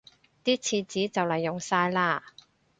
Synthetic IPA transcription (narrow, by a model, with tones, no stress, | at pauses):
t̪iː˥t͡sʰiː˧t͡siː˨˥t͡sɐ˨wlɐ˨˩jːʊ˨˩ŋsaː˧jlaː˧